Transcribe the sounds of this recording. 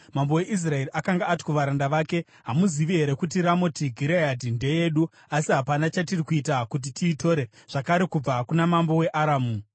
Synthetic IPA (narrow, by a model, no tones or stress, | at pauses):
mambo̞we̞ʔis̬rae̞riʔakaŋɡaːti̥koʋaɾandaʋaːke̞ | ɦamuziʋiɦe̞ɾe̞kutiɾamo̞tiɡʱiɾejadinde̞je̞ːɗu | asiɦapanat͡ʃatirikuitakut̬itʰiːto̞ɾe̞ʐ̥akaɾe̞kub͡vakunamambo̞we̞ʔaɾaːmu